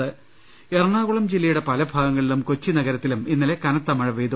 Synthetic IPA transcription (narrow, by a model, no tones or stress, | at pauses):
ɨ | erɳaːɣuɭɐmd͡ʑilːɐjuɽe̞pɐlɐbʱaːɡɐŋːɐɭilumkot͡ɕːinɐɣɐɾɐt̪ːiluminːɐlekɐnɐt̪ːɐmɐɻɐʋeːd̪u